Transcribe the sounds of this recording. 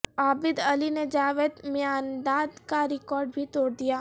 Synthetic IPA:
aːbɪd̪ɐlined͡ʒaːʋeːd̪mɪjaːnd̪aːd̪kaɾɪkɔːɾɖbʱit̪oːɽd̪ijaː

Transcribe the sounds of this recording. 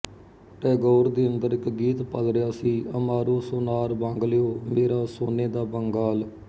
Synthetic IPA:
ʈɛːɡoːɾd̪iːənd̪əɾɪkɡiːt̪pəlɾɪjaːsiːəmaːɾoːsoːnaːɾbãːŋɡljoːmeːɾaːsoːneːd̪aːbəŋɡaːl

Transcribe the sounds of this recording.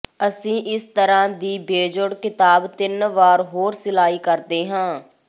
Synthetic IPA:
əsĩːʔɪst̪əɾãːd̪iːbeːd͡ʒʊɽkɪt̪aːbt̪ɪnʋaːɾɦoːɾsɪlaːiːkəɾd̪eːɦãː

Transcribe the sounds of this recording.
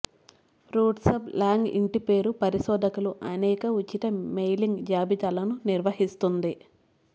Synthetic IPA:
ɾuːɖsɐblaːŋɡḭɳʈipe̞ːɾupɐɾiʃɔːd̪ʱɐkuluʔɐnɛːkɐut͡ʃːit̪ɐmejliŋɡd͡ʒaːbit̪aːlɐnuniɾʋɐhist̪und̪i

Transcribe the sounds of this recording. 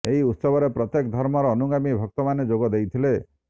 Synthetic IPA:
eɦiut̪sɔbʱɔɾepɾɔt̪jekd̪ʱɔɾmɔɾɔːnuɡamibʱɔk̚t̪ɔmaned͡ʒoɡɔd̪ejt̪ʰile

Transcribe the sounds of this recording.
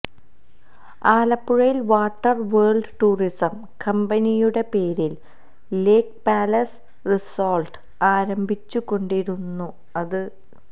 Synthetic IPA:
aːlɐpːuɻɐjilʋaːʈːɐrʋeːɭɖʈuːrisɐm | kɐmbɐnijuɽe̞pe̞ːɾil | leːk̚paːlɐs | risoːlʈɨ | aːɾɐmbʱit͡ɕːukːo̞ɳɖiɾunːu | ɐðɨ

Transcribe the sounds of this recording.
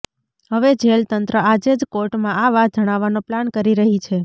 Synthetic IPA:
ɦəʋed͡ʒelt̪ənt̪ɾəad͡ʒed͡ʒkoɾʈmãaʋad͡ʒəɽ̃aʋːanoplankəɾiɾəɦit͡ʃʰe

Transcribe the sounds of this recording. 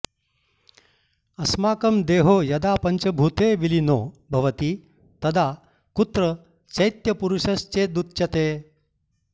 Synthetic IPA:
ɐsmaːkɐmd̪eːɦoːjɐd̪apɐɲt͡ɕɐbʱut̪eʋilinobʱɐʋɐt̪iː | t̪ɐd̪ʱa | kut̪ɾə | sɐjt̪jɐpuɾuʂɐst͡ɕed̪ut̪̚t͡ɕɐt̪eː

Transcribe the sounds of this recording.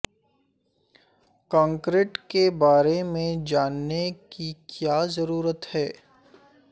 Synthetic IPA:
kãːŋkɾeːʈkebaːɾemẽd͡ʒaːnːekikjaːzɐɾuːɾət̪hɛː

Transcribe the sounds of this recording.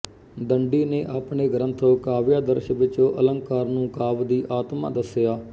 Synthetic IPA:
d̪əɳɖiːneːʔaːpɳeːɡɾənt̪ʰoːkaːʋjaːd̪əɾʃəʋɪt͡ʃõːʔələ̃ŋkaːɾnũːkaːʋd̪iːʔaːt̪ma̰ːd̪əsɪjaː

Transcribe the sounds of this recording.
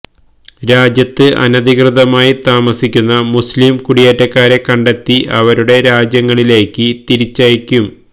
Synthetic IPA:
ɾaːd͡ʑjɐt̪ːɨʔɐ̰nɐðʱikrɨðɐmaːjit̪aːmɐsikʲːunːɐmuslimkuɽijeːtːɐkːaːɾekɐɳɖe̞t̪ːiʔɐʋɐɾuɽe̞ɾaːd͡ʑjɐŋːɐɭile̞ːkːɨt̪iɾit͡ɕːɐjikʲːum

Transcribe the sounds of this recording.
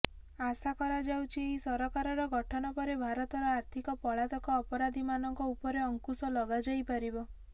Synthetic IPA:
asakɔɾad͡ʒawt͡ʃʰieisɔɾɔkaɾɔɾɔɡɔʈʰɔnɔpɔɾebʱaɾɔt̪ɔɾɔaɾt̪ʰikɔpɔɭat̪ɔkɔːpɔɾad̪ʱimanɔŋkɔupɔɾeɔŋkusɔlɔɡad͡ʒajpaɾibɔ

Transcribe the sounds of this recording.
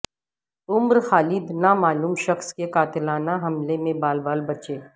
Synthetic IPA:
ʊmɾxaːliːd̪namaːluːmʃɐxskekaːt̪ɪlaːnaɦɐmlemẽbaːlbaːlbɐt͡ʃeː

